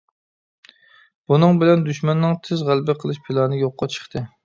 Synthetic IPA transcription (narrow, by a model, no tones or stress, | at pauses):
b̥unɨŋbɪlɛnd̪yʃmɛnːɨŋt̪ʰɪzʁælbɪqʰəlˠɨʃpʰilˠɑnnɨjoqːɑt͡ʃʰə̥χt̪ʰɨ